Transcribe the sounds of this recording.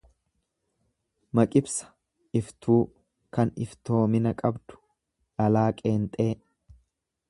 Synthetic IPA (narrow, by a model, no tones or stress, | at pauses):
mɐkʼɪbsɐ̥ | ɪft̪uː | kɐnɪ̰ft̪o̞ːmɪnɐkʼɐbd̪ʊ̥ | ʔɐlaːkʼe̞ːnt̪ʼe̞ː